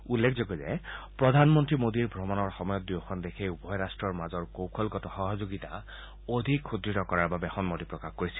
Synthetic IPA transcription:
ulːekʰzoɡɔzɛ̰pɹɔd̪ʱanmɔntɹimod̪iɹbʱɹɔmɔnɔɹxɔmɔjɔt̪̚diwxʰɔnd̪ekʰejubɔjɹastɹɔɹmazɔɹkowkʰɔlɡɔtɔxɔɦɔzoɡita̰ | od̪ʱikxudɹitɔkɔɹaɹbabɛxɔnmodipɹɔkaxkoɹisi̥l

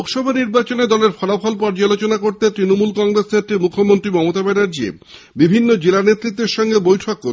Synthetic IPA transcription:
kʃɔbʱaniɾbat͡ɕoned̪ɔleɾfɔlafʰɔlpɔɾd͡ʑalot͡ɕonakoɾt̪et̪ɾinomulkɔŋɡɾesnet̪ɾimukʰːomont̪ɾimɔmot̪abenaɾd͡ʑiḛ | bibʱinːod͡ʑelanet̪ːɾit̪ːeɾʃɔŋɡebojʈʰokːo

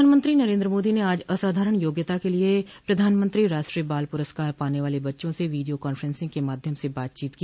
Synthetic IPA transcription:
aːnmə̃nt̪ɾinɐɾẽːnd̪ɾəmoːd̪ineaːd͡ʒɐsaːd̪ʱaːɾəɽ̃joːɡjət̪akeliepɾɐd̪ʱaːnmə̃nt̪ɾiɾaːʃʈɾiəbaːlpʊɾəskaːɾpaːneʋaːlebɐtːʃõseʋiːɖijokaːnfʰɾɛ̃nsɪ̃ŋɡkemaːd̪ʱjəmsebaːt̪̚t͡ʃiːt̪ki

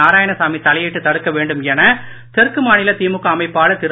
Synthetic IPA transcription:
aːɾaːjɐɳɐsaːmit̪ɐlɐjɛʈːɯt̪ɐɽɯkːɐʋeːɳɖɯmɛnɐ | t̪ɛɾkɯmaːnɪlɐt̪iːmɯkːɐːmɐɪpːaːlɐt̪ɪɾ

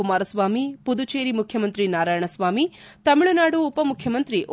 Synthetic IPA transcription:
umaːɾɐsʋaːmipud̪ut͡ʃeːɾimukʰjɐmɐnt̪ɾinaːɾaːjɐɳɐsʋaːmit̪ɐmiɭunaːɽuːpɐmukʰjɐmɐnt̪ɾiʔ

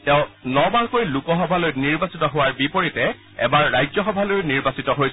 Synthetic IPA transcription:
tɛ̃ʊ̃nɔbaɹkojlukɔxɔbʱalojniɹbasitɔɦʊwaɹbipoɹitɛ | ɛ̰baɹːajzɔxɔbʱalojniɹbasitɔɦojs

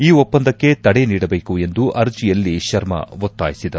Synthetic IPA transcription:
iːopːɐnd̪ɐkːe̞t̪ɐɽeniːɽɐbe̞ːkue̞nd̪uʔɐɾd͡ʒijɐlːiʃɐɾmɐ̰ʋot̪ːaːjisid̪ɐɾ

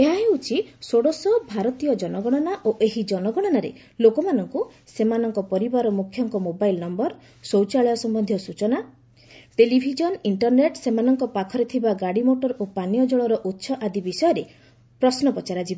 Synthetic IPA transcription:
eɦaɦeut͡ʃʰisoɽɔsɔbʱaɾɔt̪ijɔd͡ʒɔnɔɡɔɽ̃ɔnaʔoʔeɦid͡ʒɔnɔɡɔɽ̃ɔnaɾḛ | lokɔmanɔŋkusemanɔŋkɔpɔɾibaɾɔmukʰjɔŋkɔmobajlnɔmbɔɾ | sowt͡ʃaɭɔjɔsɔmbɔnd̪ʱjɔsut͡ʃɔna | ʈelibʱid͡ʒɔniɳʈɔɾneʈsemanɔŋkɔpakʰɔɾet̪ʰibaɡaɽimoʈɔɾopanijɔd͡ʒɔɭɔɾɔʔutːʃʰɔʔad̪ibisɔjɔɾe | pɾɔsnɔpɔt͡ʃaɾad͡ʒibɔ

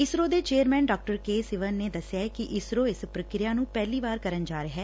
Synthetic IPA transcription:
ɪsɾoːd̪eːt͡ʃeːəɾmɛ̃ːnɖaːk̚ʈəɾkeːsɪʋənːeːd̪əsːjaːkɪʔɪsɾoːɪspɾəkɾɪjaːnũːpɛːliːbaːɾkəɾənd͡ʒaːɾəɦɛː

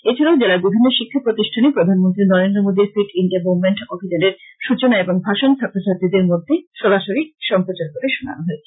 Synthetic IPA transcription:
et͡ɕʰilaod͡ʑelaɡubʱinːoʃikʰːapɾot̪iʃʈʰanepɾod̪ʱanmont̪ɾinɔɾend̪ɾomod̪iɾfiʈinɖebowmeɳʈɔbʱid͡ʑaneɾʃut͡ɕonaeboŋbʱaʃont͡ɕʰat̪ʰːosaɾt̪id̪eɾmod̪ʱːeʃɔɾaʃoɾiʃɔmpɾot͡ɕaɾkoɾeʃona̰noɦɔe

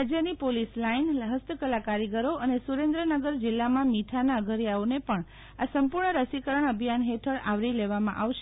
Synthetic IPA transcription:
d͡ʒjənipolislainɦəst̪ʰəkəlakaɾiɡəɾoʔənesuɾẽnd̪ɾənəɡəɾd͡ʒɪlːamãmiʈʰanaəɡʱəɾjaonepəɳ | asəmpuɾɳəɾəsikəɾəɳəbʱijanɦeʈʰəɭaʋɾileʋamã̰ʔaʋʃ

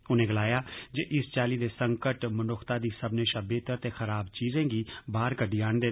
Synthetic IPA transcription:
ʊnẽːɡəlaːjaːd͡ʒeʔɪst͡ʃaːliːd̪eːsə̃ŋkəʈmʊnʊxʰt̪aːd̪iːsəbneːʃaːbeːt̪əɾt̪eːxəɾaːbt͡ʃiːzẽːɡiːbaːɾkəɖiːaːɳd̪eː

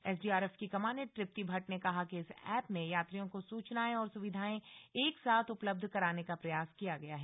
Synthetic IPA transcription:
ɛsɖiːaːɾɛːfkikɐmaːneʈɾɪp̚t̪ibʱɐʈnẽkɐɦakeɪsɛːpmẽjaːt̪ɾijõkosuːt͡ʃnaːẽɔːɾsʊʋɪd̪ʱaːẽeːksaːt̪ʰʊpləb̚d̪ʱkɐɾaːnekapɾɐjaːskijaɡɐjaɦɛː

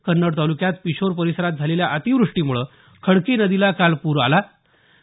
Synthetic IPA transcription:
kənːəɽt̪alukjat̪piɕoɾpəɾisəɾat̪̚d͡zʱaleljaʔat̪iʋɾuʂʈiːm̤uɭə | kʰəɽkenəd̪ilakalpuːɾa̰la

